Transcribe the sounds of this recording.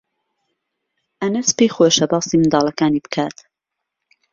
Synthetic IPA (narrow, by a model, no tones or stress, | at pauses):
ʔɐnɨspeːxoʃɐbɑːsimɨnd̪ɑːlɐkaːniːbɨ̥kʰaːt̪